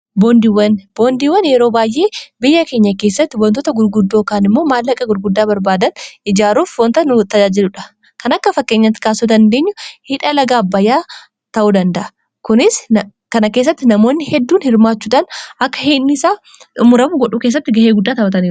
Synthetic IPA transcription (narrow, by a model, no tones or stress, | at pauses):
boːnd̪iwɐnb̥oːnd̪iːwːɐnjɛɾoːbaːjʔe̞ːbɪjːɐke̞ːɲːɐke̞ːsːɐt̪ːɪwɐnt̪ɔt̪ɐɡʊɾɡʊd̪ːoːkaːnɪmːo̞ːmaːlːɐkʼːɐɡʊɾɡʊd̪ːaːbɐɾbaːd̪ɐnɪd͡ʒaːɾuːfwɔnt̪ɐnʊt̪ɐd͡ʒaːd͡ʒɪlʊᶑɐ̥ | kɐnɐkːɐfɐkːe̞ːɲːɐt̪ːɪ̥kaːsuːd̪ɐnd̪e̞ːɲːʊhɪᶑɐlɐɡaːbːɐjaː | t̪ɐʔuːd̪ɐnd̪ɐʔɐ | kʊnɪs | kɐnɐke̞ːsːɐt̪ːɪnɐmo̞ːnːɪhɛd̪ːuːnhɪɾmaːt͡ʃːuːᶑanʔɐkːɐheːnːɪsaː | ʊmʊɾɐmʊɡɔᶑuːke̞ːs̬ːɐt̪ːɪɡɐheːɡʊd̪ːaːt̪ɐbɐt̪̬ɐniːɾ